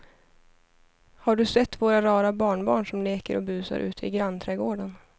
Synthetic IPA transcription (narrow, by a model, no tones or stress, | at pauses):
haɖɵsɛt̪ːvoːɾaɾɑːɾabɑːɳbɑ̰ːɳʂɔmleːkəɾʔɔ̰bʉ̟ːsa̰ɾʔʉ̟ːt̪ʰɪɡɾant̪ʰɾɛːɡoːɖan